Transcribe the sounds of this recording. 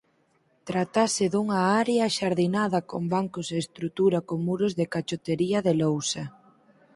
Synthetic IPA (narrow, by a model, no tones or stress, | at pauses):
t̪ɾat̪asɪðuŋɐaɾeɐʃaɾðinaðɐkombaŋkʊseːst̪ɾut̪uɾɐkoŋmuɾʊzðɪkat͡ʃot̪eɾiɐðelowsɐ